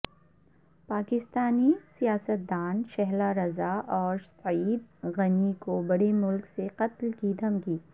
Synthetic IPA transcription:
paːkɪst̪aːnisijaːsət̪̚d̪aːnʃɛɦlaɾɐzaʔɔːɾsɐiːd̪̚ɣɐnikobɐɽemʊlkseqɐt̪lkid̪ʱɐmkiː

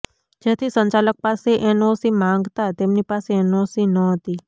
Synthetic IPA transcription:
d͡ʒet̪ʰisəɲt͡ʃalək̚paseʔɛnosimãŋɡt̪at̪emnipaseɛnosinəɦət̪i

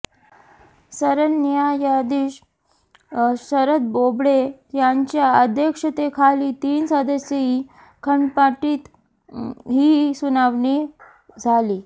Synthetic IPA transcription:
səɾənjajad̪iːɕ | səɾət̪̚bobɽet̪jaɲt͡ɕjaəd̪ʱjəkʂət̪ekʰaliːt̪iːnsəd̪əsjei | kʰəɳpaʈiːt̪ | ɦiːsunaʋɳi | d͡zʱaliː

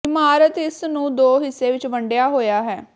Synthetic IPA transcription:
ɪmaːɾət̪ɪsnũːd̪oːɦɪsːeːʋɪt͡ʃʋəɳɖjaːɦoːjaːɦɛː

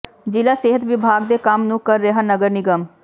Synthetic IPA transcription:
d͡ʒɪlaːseːɦət̪ʋɪbʱaːɡ̚d̪eːkəmnũːkəɾːeɦaːnəɡəɾnɪɡəm

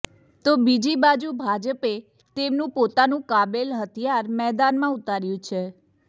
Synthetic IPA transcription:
t̪obid͡ʒibad͡ʒubʱad͡ʒəpe | t̪emnũpot̪anũkabelɦət̪ʰijaɾmɛd̪anmãut̪aɾjũt͡ʃʰe

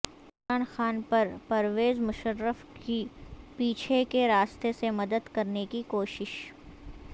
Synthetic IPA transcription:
ʊmɾaːnxaːnpɐɾpɐɾʋeːzmʊʃəɾːəfkipiːt͡ʃʰekeɾaːst̪esemɐd̪əd̪kɐɾnekikoːʃɪʃ

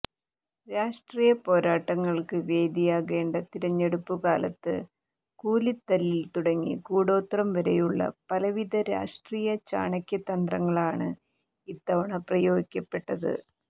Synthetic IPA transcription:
ɾaːʂʈriːjɐpo̞ːɾaːʈːɐŋːɐɭkɨʋe̞ːd̪ijaːɣe̞ːɳɖɐt̪iɾɐɲːeɽupːukaːlɐt̪ːɨ | kuːlit̪ːɐlːilt̪uɽɐŋːḭkuːɽo̞ːt̪rɐmʋɐɾejuɭːɐ̰pɐlɐʋiðɐɾa̰ːʂʈriːjɐt͡ɕa̰ːɳɐkʲjɐt̪ːɐnd̪rɐŋːɐɭaːɳɨ | it̪ːɐʋɐɳɐprɐjoːɡikʲːɐpːe̞ʈːɐðɨ̰

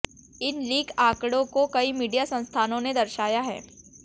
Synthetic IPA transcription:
ɪnliːkaːkɽõkokɐimiːɖijasɐ̃nst̪ʰaːnõned̪ɐɾʃaːjaɦɛ̰ː

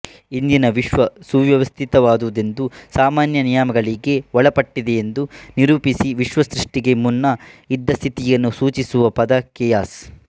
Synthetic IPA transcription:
ind̪inɐʋiʃʋɐsuʋjɐʋɐst̪ʰit̪ɐʋaːd̪uʋud̪e̞nd̪usaːmaːnjɐnijaːmɐɡɐɭiɡe̞ɔɭɐpɐʈːid̪ejend̪uniɾuːpisiʋiʃʋɐsɾiʂʈiɡe̞munːɐid̪ːɐst̪ʰit̪ijɐnːusuːt͡ʃisuʋɐpɐd̪ɐkɛjaːs

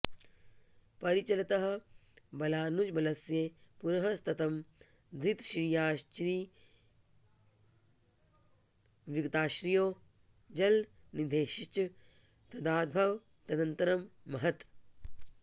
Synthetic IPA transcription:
pɐɾit͡ʃɐlɐt̪ɐɦɐbɐlaːnud͡ʒbɐlɐsjeːpuɾɐɦɐst̪ɐt̪ɐm | d̪ɾit̪ʃɾijaːʃɾiː | ʋiɡɐt̪aːʃɾijoː | d͡ʒɐl | nid̪ʱeːʃiʃt͡ʃɐ | t̪ɐd̪aːd̪̚bʱɐʋ | t̪ɐd̪ɐnt̪ɐɾɐmːɐɦɐt̪

